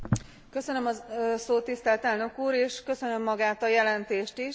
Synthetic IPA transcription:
kø̞sønø̞mɒsoːt̪ːist̪ɛlt̪ɛlnø̞kuːɾeːʃkø̞sø̞nø̞mːɒɡaːt̪ɒjɛlɛnt̪eːʃt̪iʃ

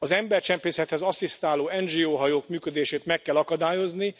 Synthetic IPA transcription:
ɒzɛmbɛrt͡ʃɛmpeːsɛt̪hɛzɒsist̪aːloːɛnd͡ʒiːoːɦɒjoːkmyːkød̪eːʃeːt̪mɛkːɛlɒkɒd̪aːjo̞zni

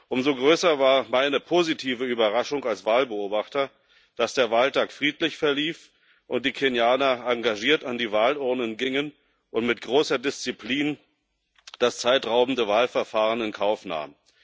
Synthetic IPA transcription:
ʔʊmzoɡʁøːsɐvaːɐmaɪnəpʰozitʰiːvəyːbɐʁaʃʊŋalsv̥aːlbəoːbaχtɐ | d̥asd̥eːɐvaːltʰaːkfʁ̥iːtlɪçfɛɐliːf | ʔʊnt̚d̥iːkʰenjaːnɐaŋɡaʒiːɐtandiːvaːlʊɐnənɡɪŋən | ʔʊntmɪtɡ̥ʁoːsɐdɪst͡sipʰliːn | d̥ast͡saɪtʁaʊbn̩dəvaːlfɛɐfaːʁənɪnkʰaʊfna̰ːm

